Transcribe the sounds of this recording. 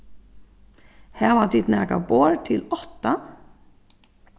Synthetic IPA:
hæːʁʋɑːd̪ɪt̪næːɡɑ̰boːɹt̪ʰɪlɔt̪ɑ

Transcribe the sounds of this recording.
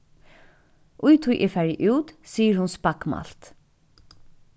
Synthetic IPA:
ʔʊjt̪ʰʊjʔɪfæɹjəʔʉːt̪siːəɹhʊnspɑkmɑ̰lt̪

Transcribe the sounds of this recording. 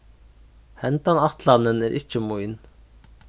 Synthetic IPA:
hɛnt̪ɑnɑχt̪ʰlɑnənæɾʔḭt͡ʃʰːɪmujin

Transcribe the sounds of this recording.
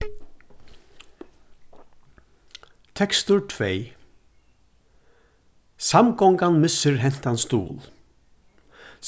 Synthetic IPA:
t̪ʰɛkst̪ʊʈʰveː | samɡɔŋkanmɪsəɹɦɛn̥t̪anst̪ṵːl

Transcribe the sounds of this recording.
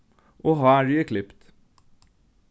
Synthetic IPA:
ʔoːɦɑːɹʏəkʰlɪpt̪

